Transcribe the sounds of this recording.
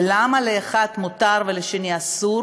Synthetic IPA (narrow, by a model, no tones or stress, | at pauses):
lamaleaχat̪mot̪aʁveleʃeniasuɾ